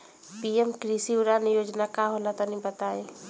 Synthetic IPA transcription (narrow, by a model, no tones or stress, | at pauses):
piemkɾisiuɾanijoːd͡ʒnakaɦolat̪anĩbət̪ae